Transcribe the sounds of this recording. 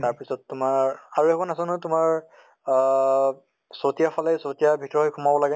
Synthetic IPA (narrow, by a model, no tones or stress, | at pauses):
taɹpisɔtːʊmaɹaɹuɛkɔnasɔnɔtʊmaɹ | sotijafʰalɛsotijabʱitɔɹɦɔjkʰumabɔlaɡɛ